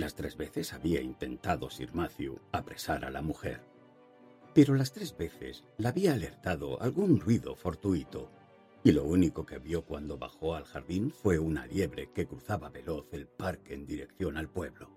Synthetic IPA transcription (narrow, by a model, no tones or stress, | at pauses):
last̪ɾe̞zβe̞θe̞saβiaint̪e̞nt̪aðo̞sḭɾmaθjuapɾe̞saɾa̰lamuxe̞̰ɾ | pe̞ɾo̞last̪ɾe̞zβe̞θe̞̰slaaβiaːle̞ɾt̪aðo̞̰a̰lɣunrrwiðo̞̰fo̞ɾt̪uit̪o | ilo̞̰uniko̞ke̞βjo̞kwand̪o̞βa̰xoalxaɾðinfwe̞una̰lje̞βɾe̞ke̞kɾuθaβaβe̞lo̞θe̞lpaɾkeːnd̪iɾe̞kθjo̞nalpwe̞βlo̞